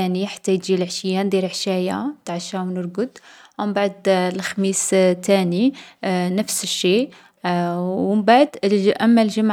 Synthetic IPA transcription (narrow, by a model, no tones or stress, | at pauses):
æniħḁt̪ːæjt̪ʒilʕʃəjːand̪iɾʕʃæja̰t̪aʕʃawnəɾɡʊd̪mbaʕd̪lxmist̪æninəfsəʃːi | wmbaʕd̪ʔæmːælʒəmʕ